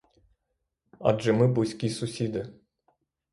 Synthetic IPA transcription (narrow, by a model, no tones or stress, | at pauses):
a̰d̪ʒɨmɨbusʲkʲisusʲid̪ɨ